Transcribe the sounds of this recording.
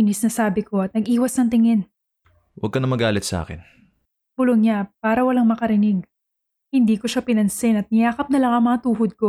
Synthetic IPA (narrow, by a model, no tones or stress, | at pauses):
inɪsnɐsaːbɪko̞ɐt̪̚nɐɡʔiːwɐsnɐŋt̪̬ɪŋɪn | wɐ̰ɡ̚kɐnɐmɐɡaːlɪt̪sɐʔa̰ːkɪ̰n | puloŋɲapaːɾɐwɐlaŋmɐkɐɾɪnɪɡ̚ | hɪnd̪iːko̞ʃapɪnɐnsɪnɐt̪̚mɪjaːkɐp̚nɐlɐŋɐŋmɐŋat̪uːɦod̪̚ko̞